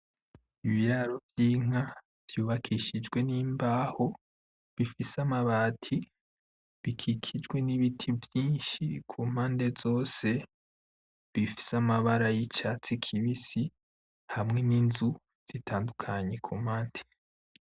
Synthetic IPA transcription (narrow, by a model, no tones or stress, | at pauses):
iβiɾaɾo̞vjiːŋ̥a | v̥juːβakʰiʃid͡ʒɡwe̞niːmbaːho̞ | βifisamaβaːtʰi | βikʰikʰid͡ʒɡwe̞niβitʰivjiːnʃikʰuːm̥haːnde̞zo̞ːse̞ | βifi̥samaβaɾajit͡ʃat͡sikʰiβisi | hamŋe̞ninzu | z̥itʰaːndukʰaɲe̞kʰuːmhaːnde̞